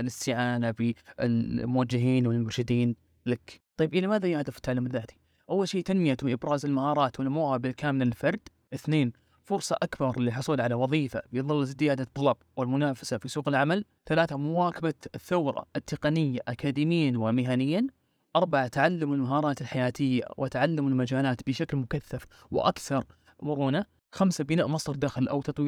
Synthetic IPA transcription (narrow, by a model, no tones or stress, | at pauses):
lɪst̪ɪʕaːnabɪɪlmʊwad͡ʒːɪɦiːnwɪlmʊɾʃɪd̪iːn | lakt̪ˤɑjːɪbʔɪlamaːðajahd̪ɪfɪ̥t̪ːaʕalːɪmðːaːt̪i̥ | ʔawːalʃiːʔt̪anmɪjat̪ʔɪbɾɑːzɪlmahɑːɾˤɑːt̪wɪlmʊhabɪlkaːmɪlɪlfɑɾˤd̪̥ | ʔɪθneːn | fʊɾsˤɑʔakbɑɾˤliħʊsˤuːlʕalawɑðˤiːfabjðˤɨlːzzɪjaːd̪at̪ˤːɑlɑbwɪlmʊnaːfḁsafisuːqɪlʕamal | θalaːθamʊwaːkabaθːawɾˤɑ̰ɪt̪ːɪqɑnɪjːaʔakaːd̪iːmɪjːanwɪmɪɦanɪjːan | ʔɑɾˤbaʕat̪ʕalːamalmaɦɑːɾˤɑːt̪ɪlħajaːt̪ʰɪjːa̰wʔɪt̪aʕalːamalmad͡ʒaːlaːt̪bɪʃaklmʊkaθːafwɪ̰ʔa̰kθɑɾˤ | mʊɾuːna | xamsabɪnaːʔmɑsˤɾd̪axlʔa̰wt̪ɑt̪ˤwiː